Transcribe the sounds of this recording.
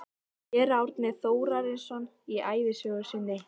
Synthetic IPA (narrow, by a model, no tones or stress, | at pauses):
jɛɾawɾt̪nɪθoːwɾaɾɪnsɔn | iaːjðɪsœːɣʏ̥sɪnːɪ